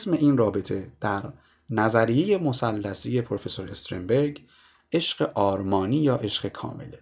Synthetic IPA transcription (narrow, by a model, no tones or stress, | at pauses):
sme̞ʔiːnrɒːbet̪ʰe̞d̪̥æɾ | næzæɾije̞je̞mo̞sælːæsije̞pʰoɾofe̞so̞ɾest̪ɾembe̞ɾɡ | e̞ʃɢe̞ʔɒːɾmɒːniːjɒːʔe̞ʃɢe̞kʰɒ̰ːme̞̰le